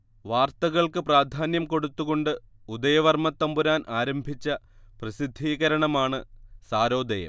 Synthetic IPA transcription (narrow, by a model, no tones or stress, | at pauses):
ʋaːrt̪ɐɣɐɭkɨpraːd̪ʱaːnjɐmko̞ɽut̪ːuɣo̞ɳɖɨud̪ɐjɐʋɐrmɐt̪ːɐmbuɾaːnʔaːɾɐmbʱit͡ɕːɐprɐsid̪ʱːiːɣɐɾɐɳɐmaːɳɨsaːɾo̞ːd̪ɐjɐ̰mm